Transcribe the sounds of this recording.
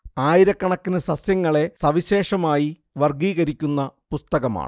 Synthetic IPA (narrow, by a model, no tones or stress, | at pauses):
aːjiɾɐkːɐɳɐkːinɨsɐsjɐŋːɐɭe̞sɐʋiɕe̞ːʂɐmaːji | ʋɐrɡiːɣɐɾikʲːunːɐpust̪ɐɣɐma̰ːɳɨ